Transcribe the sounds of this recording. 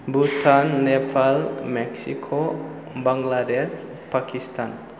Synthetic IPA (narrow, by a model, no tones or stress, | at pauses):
but̪ʰanːɛpʰalmɛksikʰo | baŋɡladɛs | pakist̪an